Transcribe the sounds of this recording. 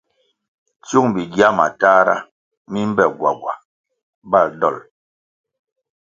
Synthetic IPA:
t͡su˦ŋbi˨ɡja˦ma̰˨taː˦ɾa̰˦ | mi˦m˦bɛ˨ɡwa˨ɡwa˨ | ba˦˨ldɔ̰˦˨l

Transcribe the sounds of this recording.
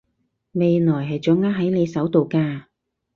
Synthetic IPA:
me˨jnɔː˨˩jɦɐ˨jt͡sœː˨˥ŋaː˧˥ɦɐ˨˥jne˨˧sɐ˨˥wt̪o˨wkaː˧

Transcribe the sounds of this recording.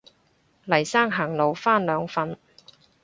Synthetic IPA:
lɐ˨˩jsaː˥ŋɦaː˨˩ŋlo˨wfaː˥nlœː˨˧ŋfɐ˧n

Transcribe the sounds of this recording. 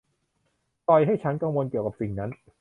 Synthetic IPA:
t̪ɔ˧jɦa˥˩jt͡ɕʰa˦˥nka˧ŋwo˧nki˨˩əwka˨˩p̚si˨˩ŋna˦˥n

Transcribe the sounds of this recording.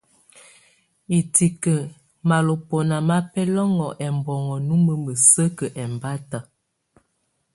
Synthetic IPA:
i˨ti˨kə˨ | ma˨lo˨po˨na˨ma˦pɛ˦lɔ˦ŋɔ˨ʔɛ˨mbɔ˨ŋɔ˨nu˦mə˦mə˨sə˦kə˨ʔɛ˨mba˦ta˨

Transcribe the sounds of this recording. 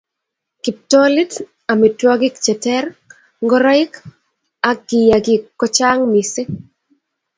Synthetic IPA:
ki˨p̚tɔ˦li˦t | a˨mi˨twɔ˦ɡɪ˦kt͡ʃɛ˨tɛ˦r | ŋɡɔ˦ɾɔ˦ɪ˦k | a˨ɡɪ˨ja˨ɡɪ˨kːɔ˦t͡ʃa˦ŋmi˨sɪ˦

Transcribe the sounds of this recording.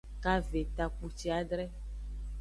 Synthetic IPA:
ka˦ve˨t̪a˨k͡pu˨t͡ʃi˦a˨ɖɾɛ˦

